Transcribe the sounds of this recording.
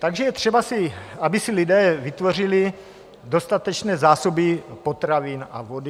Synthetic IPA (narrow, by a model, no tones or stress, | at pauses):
t̪aɡʒɛjɛt̪r̥ɛbasɪabɪsɪlidɛːvɪt̪vo̞r̝ɪlɪ | do̞st̪at̪ɛt͡ʃnɛːzaːsobɪpot̪ɾavinʔa̰vodɪ